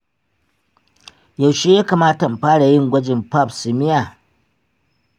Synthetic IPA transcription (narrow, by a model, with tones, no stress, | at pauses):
ja˨wʃeː˦jaː˦ka˨maː˦tɐ˨m˨ɸaː˦ɽa˨jɪ˦˨ŋɡʷɐ˦d͡ʒɪ˨mpa˦˨psɪ˨mɪ˦ja˨